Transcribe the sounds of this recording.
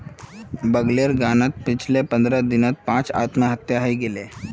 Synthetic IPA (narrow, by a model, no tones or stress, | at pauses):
bəɡleɾɡanat̪̚pit͡ɕʰlepə̃nd̪ɾad̪inat̪̚pãt͡sa̰t̪məɦət̪jaɦiɡele